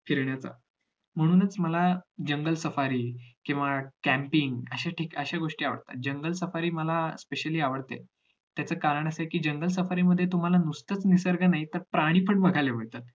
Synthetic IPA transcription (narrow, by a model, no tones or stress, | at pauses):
fiɾɳjat͡sa̰ | m̤əɽ̃uːnət͡sməlad͡ʑəŋɡəlsəfaɾiːkĩw̃ʋakæmpiŋɡəɕaʈʰiːkəɕaɡoʂʈiːaʋə̰ɽt̪a̰t̪̚d͡ʑəŋɡəlsəfaɾiːməlaspeɕəliːaʋəɽt̪ḛ | t̪jat͡səːkaɾəɳ̃əsəkiːd͡ʑəŋɡəls̬əfaɾiːməd̪ʱːjet̪um̤alanust̪ət͡snisəɾɡənait̪əɾpɾaɽ̃iːpʰəɳbəɡʱaleɦojt̪ət̪̚